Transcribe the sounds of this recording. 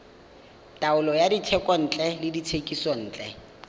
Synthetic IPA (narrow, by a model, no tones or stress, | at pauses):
tʼaʊlɔjaditʰɛkʼɔn̩ːt͡ɬʼɛlɪditʰekʼisɔn̩ːt͡ɬʼɛ